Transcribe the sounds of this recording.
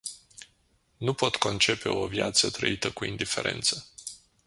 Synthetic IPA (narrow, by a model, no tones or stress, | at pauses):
nupo̞t̪ko̞nt͡ʃe̞pe̞̰o̞vjat̪sət̪ɾə̰it̪əkuind̪ife̞̰ɾʔe̞̰nt̪sə